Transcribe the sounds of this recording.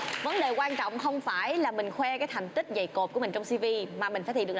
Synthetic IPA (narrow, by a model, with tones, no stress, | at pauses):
və˨˦nɗe˨˩kwaː˧nt͡ɕɔ̰˧˨wŋ͡mxə˧wŋ͡mfaː˧˩jlaː˨˩mï˨˩ŋ̟xwɛ˧kaː˨˦jt̪ʰa˨˩jŋ̟t̪ï˦˥k̚zə˧˩jko˨˩p̚kəï̟˨˩t͡ɕwŋ͡msi˧vi˧maː˨˩mï˨˩ŋ̟faː˧˦˩i˧˨˩